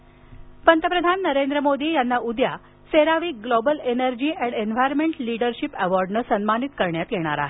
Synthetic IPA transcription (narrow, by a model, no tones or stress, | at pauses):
pənt̪əpɾəd̪ʱanːəɾend̪ɾəmod̪iːjanːaʔud̪ja̰ | seɾaʋiːɡlobəlenəɾd͡ʑiːʔɛɳɖenʋajɾmeɳʈliɽəɾɕipɛʋɔɾɖnəsənmanit̪kəɾɳjat̪jeɽ̃a̰ɾa̰ɦe